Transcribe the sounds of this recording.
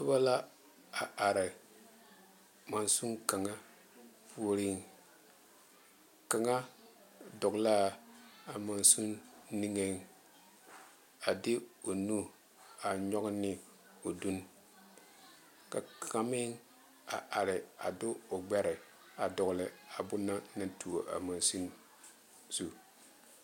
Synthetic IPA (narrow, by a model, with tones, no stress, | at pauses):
tʊ˦ba˦la˦ | a˨a˨ɾɪ˨ | ma˨nsu˦ŋka˨ŋa˦ | pu˦o˦ɾi˦ŋ | ka˨ŋa˦ | dʊ˨ɡla˦a˨ma˨nsu˦nni˦ŋe˦˨˦ŋ | a˨dɪ˦o˨nu˦ | a˨ɲɔ˦ɡnɪ˦ | o˨du˦n | ka˨kʰa˨˦mɪ˦ŋ | a̰˨ʔa˨ɾɪ˨a̰˨dʊ˦o˨ɡ͡bɛ˦ɾɛ˨ | a˨dɔ˨ɣlɪ˨a˨bʊ˦nːa˦na˦tu˨o˨ʔa̰˨ma˨nsu˦n | z̥u˨